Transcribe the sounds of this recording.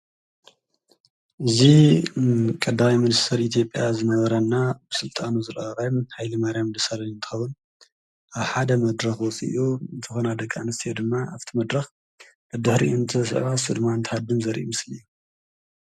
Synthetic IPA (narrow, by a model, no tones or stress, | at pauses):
ʔɨzi | kʼɐd̪awimɨnist̪ʰɐɾit̪ʰjo̞pʼːjazɨnɐβɐɾɐnːabɨsɨlt̪ʼanuzɨlɐɐɾajmhajlɐmaɾijamd̪ɨsalɐnɨnt̪ʰɨ̥xɐwun | ʔaβħad̪ɐmɐd̪ɾɐxwɔt͡sʼḭjʔuɨnt̪ʰɨxonad̪ɐkʼːa̰nɨst̪ʰjed̪ɨmːaʔaft̪ʰimɐd̪ɾɐx | bɐd̪ɨħɾiunt̪ʰɨsʔβasɨd̪maɨnt̪ʰɐ̥had̪ɨnzɐɾʔumɨsliɨjːu